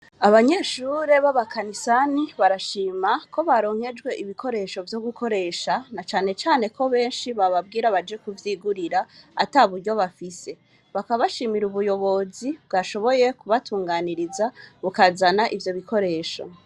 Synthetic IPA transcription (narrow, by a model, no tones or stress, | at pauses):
aβaɲe̞ʃuɾe̞βaβakʰanisaniβaɾaʃiːmako̞βaɾo̞ːŋ̥he̞d͡ʒɡwe̞ʔiβikʰo̞ɾe̞ʃo̞vjo̞ɡukʰo̞ɾe̞ʃanat͡ʃaːne̞t͡ʃaːne̞ko̞βe̞ːnʃiβaβab̚ɡiːɾaβad͡ʒekuvjiːɡuɾiɾaːtaβuɾɟo̞βafise̞ | βakaβaʃiːmiɾuβujo̞βo̞zibɡaʃo̞βo̞jekuβatuːŋɡaniɾizaβukazanaʔivjo̞βikʰo̞ɾe̞ːʃo̞̰